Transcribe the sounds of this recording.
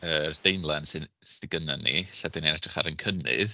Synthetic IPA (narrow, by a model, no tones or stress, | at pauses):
ərd̥ejnlˠansɪnstɪɡənanːḭɬadɪnenatrəχa̰ɾənkʰənɪ̰ð